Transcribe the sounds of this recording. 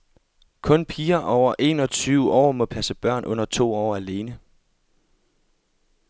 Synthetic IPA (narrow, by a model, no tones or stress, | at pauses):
kʰɔ̽npʰiːɐʔɒʊ̰ɐʔe̝ːnɒ̽t͡sʰyːʊəʔɒ̰ːmɒ̽pʰæsəb̥ɶɐ̰nʔɔ̽n̰ɐt͡sʰo̝̰ːɒ̰ːæle̝ːnə